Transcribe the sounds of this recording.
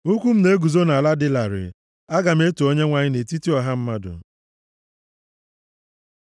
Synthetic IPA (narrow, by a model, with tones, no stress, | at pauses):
u˦kʷu˦m̩˦ne˦ɡu˨zo˦na˨la˦dɪ˦la˨ɾɪ̰˨ | a˦ɡa˨m̩˦e˦tu˨o˦ɲe˦ŋʷa˦ɲɪ˦ne˨ti˦ti˦ɔ˨ɦa˦m̩˦ma˦dʊ̰˨